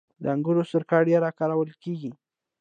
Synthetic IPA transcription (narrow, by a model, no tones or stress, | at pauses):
d̪əaŋɡuɾosəɾkɑɽjaɾɑkɑɾawəlkeɡi